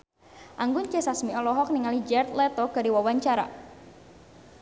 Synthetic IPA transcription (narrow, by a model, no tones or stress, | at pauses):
ʔaŋɡʊnt͡ʃesasmiɔlɔɦɔk̚niŋalid͡ʒɛrt̪lɛt̪ɔɡ̥aɾiwawaɲt͡ʃaɾa̰